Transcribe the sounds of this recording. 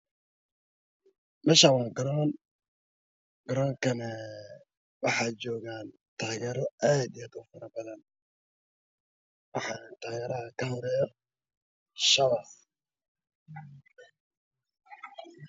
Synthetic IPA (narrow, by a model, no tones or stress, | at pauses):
mɐʃawaːŋɡɔɾɔːn | ɡ̥ɔɾɔːŋkʰɐnɛ | wɑħɑːt͡ʃɔːɣaːn | t̪ʰaːɣɛːɾɔaːd̪ijaːd̪ʊfɐɾɐbɐðɐn | wɑħɑːnnt̪ʰaːɣɛːɾɐɦɐkʰɐhɔɾɛːjɔ | ʃɐwaf